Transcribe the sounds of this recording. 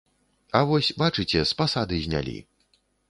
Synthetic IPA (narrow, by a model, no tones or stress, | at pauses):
avɔsʲbat͡ʂɨt͡sʲɛspasad̪ɨzʲnʲa̰lʲḭ